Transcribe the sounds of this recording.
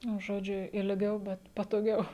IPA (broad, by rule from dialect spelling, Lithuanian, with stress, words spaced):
nʊ ˈʒoːd͡ʒʲʊ ɪlʲˈɡʲɛʊ bʲɛt pɐtoːˈɡʲɛʊ